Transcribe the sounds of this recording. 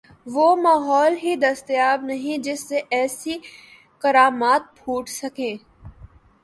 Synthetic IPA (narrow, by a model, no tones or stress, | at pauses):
ʋoːmaːɦɔːlɦid̪ɐst̪jaːbnɐɦĩd͡ʒɪsːeʔɛːsi | kɐɾaːmaːt̪̚pʰuːʈsɐkẽː